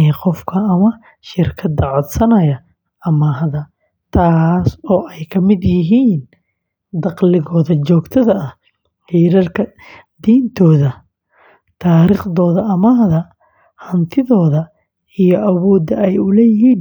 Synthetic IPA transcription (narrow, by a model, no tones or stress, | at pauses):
qɔfkʰɐɐmɐ | ʃɪrkʰɐd̪ɐʕɔd̪sɐnɐjɐ | ʔɐmaːɦðɐ | t̪ʰaːsɔːʔɛjkʰɐmɪd̪jɪɦiːn | d̪ɑqlɪɣɔːðɐt͡ʃɔːɡt̪ʰɐðɐɐh | ħiːɾɐrkʰɐ | d̪iːnt̪ʰɔːðɐ | t̪ʰaːɾiːχðɔːðɐʔɐmaːhðɐ | hɐnt̪ʰɪðɔːðɐ | ijɔʔɐwɔːd̪ɐʔɛjʊlɛjɪɦiːn